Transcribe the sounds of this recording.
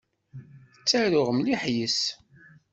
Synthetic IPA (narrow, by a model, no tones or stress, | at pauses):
ət͡sːæɾʊʁəmliħjəs